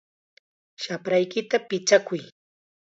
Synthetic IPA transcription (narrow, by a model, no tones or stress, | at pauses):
ʃapɾajkɪt̪apɪt͡ʃakʊj